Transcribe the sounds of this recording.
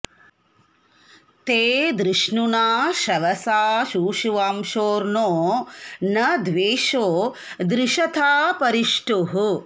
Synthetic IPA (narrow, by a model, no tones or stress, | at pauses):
t̪eːd̪ɾiʂɳunaːʃɐʋɐsaːʃuːʃuʋaːmʃoːɾnoːnɐd̪ʋeːʃoː | d̪ɾiʃɐt̪ʰaːpɐɾiʂʈuɦu